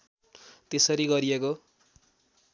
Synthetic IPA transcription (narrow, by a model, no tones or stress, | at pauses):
t̪esʌɾiɡʌɾieko